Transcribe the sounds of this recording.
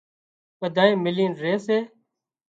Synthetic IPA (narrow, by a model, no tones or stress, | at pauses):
ɓəd̪ʱaːẽːmɪliːnɾeːseː